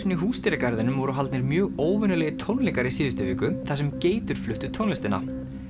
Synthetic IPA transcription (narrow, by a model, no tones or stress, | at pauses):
niɦuːst̪iɾakaɾðɪnʏmvɔɾʏɦalt̪nɪɾmjœːɣoːwvʏnʏlɛɣɪt̪ʰownlɛːkaɾɪisɪːðʏst̪ʏviːkʏθas̬ɛmceːjt̪ʏɾ̥flʏht̪ʏt̪ʰownlɪst̪ɪna̰